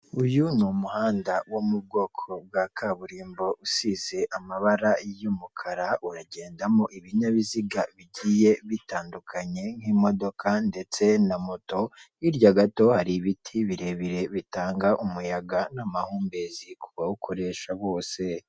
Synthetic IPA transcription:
ujunumuhaːndawomub̚ɡo̞ːkʰo̞b̚ɡaːkʰaβuɾiːmbo̞ʔusize̞ʔamaβaɾajomukʰaɾauɾaɟe̞ːndamoʔiβiɲaβiziɡaβiɟije̞βitaːndukʰaɲe̞ŋ̥hiːmo̞do̞kʰande̞t͡se̞namo̞to̞ | iɾɟaɡato̞haɾiβitʰiβiɾe̞βiɾe̞βitaːŋɡaʔumujaɡanamahuːmbe̞zikʰuβawukʰo̞ɾe̞ʃaβo̞ːse̞

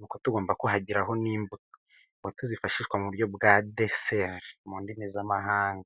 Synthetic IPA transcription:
nuːkotuɡo̞ːmbakoɦaɟiɾaɦo̞niːmbuto̥ | wotuzifaʃiʃwamuβuɾjo̞bɡaːdeseɾmuːndimezamaɦaːŋɡa

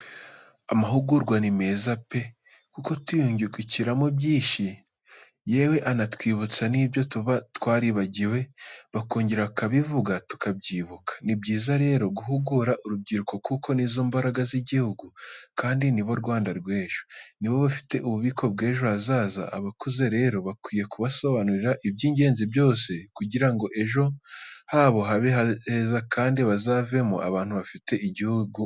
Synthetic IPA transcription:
amaɦuɡuɾɡwanime̞zape̞ | kuko̞tujuːɲɟeɡuciɾamobjiːʃi | jewe̞ʔanatwiːβut͡saniːbjo̞tuβatwaːɾiβaɟiwe̞βako̞ːɲɟeɾakaβivuɡatu̥kab̚ɟiːβukʰḁnib̚ɟiːzaɾe̞ːɾo̞ɡuɦuɡuɾaʔuɾubɟiɾuko̞kukʰo̞nizoːmbaɾaɡaziɟihuɡukaːndiniβo̞ɾɡwaːndaɾɡwe̞ːʒ̥oniβo̞βafi̥te̞ʔuβuβikʰo̞b̚ɡe̞ːʒo̞hazaːza̰a̰βakuze̞ɾe̞ːɾo̞βakwiːje̞kuβaso̞βanuɾiɾaʔibɟiːɲɟe̞ːnzibjo̞ːse̞kuɟiɾaŋɡo̞ʔe̞ʒo̞haːβo̞ɦaβeɦahezakʰaːndiβazaːve̞mo̰ʔa̰βaːnhuβafite̞ʔiɟihuɡu

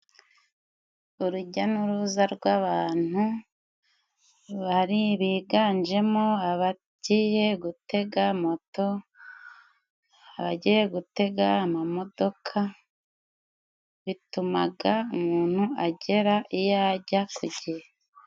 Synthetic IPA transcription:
uɾuɟanuɾuːzaɾɡwaβaːn̥hu | βaɾiβiːɡaːnd͡ʒe̞moaβa | ɟ̥iːje̞ɡute̞ɡamo̞to̞ | aβaɟiːje̞ɡute̞ɡaːmamo̞d̥o̞kʰa | βituma̰ɡaumuːn̥huaɟe̞ɾaʔijaɟakuɟe

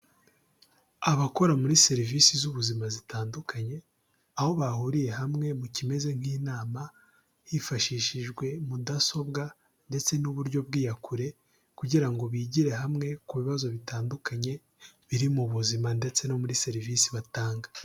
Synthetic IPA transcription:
aβako̞ɾamuɾise̞ɾiviːsizuβuzimazitaːndukʰaɲe̞ | aho̞βahuɾije̞ɦamŋe̞mucime̞ze̞ŋ̥hiːnaːma | jifaʃiːʃiʒɡwe̞mudaso̞bɡa | nde̞t͡se̞nuβuɾɟo̞bɡiːjakuɾe̞ | kuɟiɾaŋɡo̞βiːɟiɾe̞ɦamŋe̞kuβiβazo̞βitaːndukʰaɲe̞ | βiɾimuβuzimande̞t͡se̞no̞muɾise̞ɾivisiβataːŋɡa

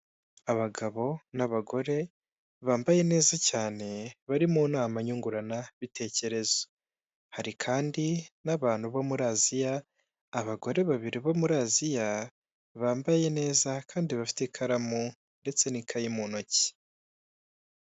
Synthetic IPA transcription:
aβaɡaβo̞naβaɡo̞ɾe̞ | βaːmbaje̞ne̞ːzacaːne̞βaɾimunaːmaɲuŋɡuɾanaβitʰe̞ːce̞ɾe̞zo̥ | haɾikʰaːndinaβaːn̥huβo̞muɾaːzijaː | βaɡo̞ɾe̞βaβiɾiβo̞muɾazija | βaːmbaje̞ne̞ːzakʰaːndiβafi̥tekʰaɾamu | nde̞t͡se̞nikʰajimuːnoci̥

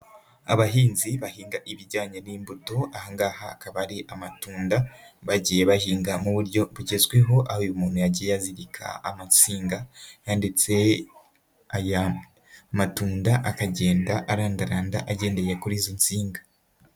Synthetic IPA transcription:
a̰βaɦiːnziβahiːŋɡaʔiβiɟaːɲeniːmbuto̞ahaŋɡaːhakaβaɾiʔamatuːndaβaɟije̞βahiːŋɡamuβuɾɟo̞βuɟezɡweɦo̞ʔahojumuːn̥hujaɟiːjejaziɾikʰa̰a̰mansiːŋɡajaːndit͡se̞ | aja | matuːndaʔakaɟe̞ːndaʔaɾaːndaɾaːndaʔaɟe̞ːnde̞je̞kuɾiːzont͡siːŋɡa

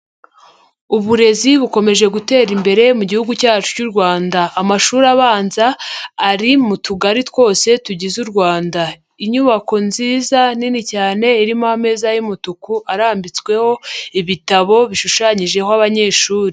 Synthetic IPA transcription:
uβuɾe̞ziβuko̞me̞ʒe̞ɡute̞ːɾimbe̞ɾe̞muɟihuɡucaːt͡ʃu̥cuɾɡwaːndaːmaʃuːɾaβaːnzaːɾimutuɡaɾitwo̞ːse̞tuɟizuɾɡwaːnda | iɲuβako̞nziːzaninicaːne̞iɾimohame̞ːzajimutukuʔaɾaːmbit͡skwe̞ho̞iβitaβo̞βiʃuʃaɲiʒe̞hoaβaɲe̞ːʃuːɾi

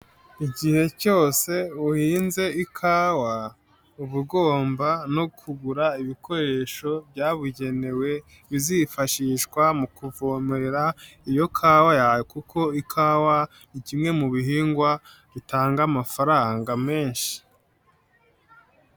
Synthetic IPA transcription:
iɟihe̞co̞ːse̞uhiːnze̞ikʰaːwa | uβuɡo̞ːmbanokʰuɡuɾaiβiko̞ɾe̞ːʃo̞bɟaːβuɟe̞ne̞we̞ | βizifaʃiʃkwamukuvomeɾeɾaijo̞kʰaːwajajekukʰo̞ikʰaːwa | nicimŋe̞muβiɦiːŋɡwa | ɾitaːŋɡamafaɾaːŋɡame̞ːnʃi̥

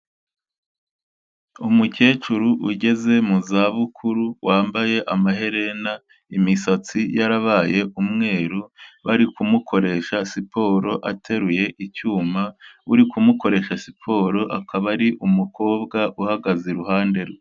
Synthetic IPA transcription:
umuce̞ːt͡ʃuɾuʔuɟe̞ze̞muzaːβukʰuɾuwaːmbaje̞ʔamaɦe̞ɾe̞na | imisat͡sijaɾaβaːje̞ʔumŋe̞ːɾuβaɾikumukʰo̞ɾe̞ʃasipʰo̞ːɾo̞ʔatʰe̞ɾuje̞ʔicuːmauɾikumuko̞ɾe̞ʃasipʰo̞ɾo̞ʔakʰaβaɾiʔumuko̞ːbɡaʔuhaɡazeɾuɦaːnde̞ɾwe

